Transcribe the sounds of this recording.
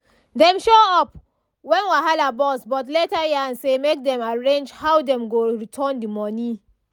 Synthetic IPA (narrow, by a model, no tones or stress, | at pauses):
dɛ̃mʃoɔp̚ | wɛ̃nwaɦalabɔsbɔtletajãnsemek̚dɛ̃maɹẽnd͡ʒhawdɛ̃mɡoɹitʰɔndimɔni